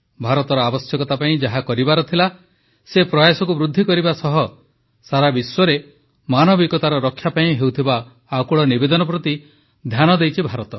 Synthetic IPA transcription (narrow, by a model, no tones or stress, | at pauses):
bʱaɾɔt̪ɔɾɔabɔsjɔkɔt̪apaĩd͡ʒaɦakɔɾibaɾɔt̪ʰila | sepɾɔjasɔkubɾud̪ʱːikɔɾibasɔɦɔ | saɾabiswɔɾe | manɔbikɔt̪aɾɔɾɔkʰːjapaĩɦewt̪ʰiba | akuɭɔnibed̪ɔnɔp̬ɾɔt̪i | d̪ʱjanɔd̪ejt͡ʃʰibʱaɾɔt̪ɔ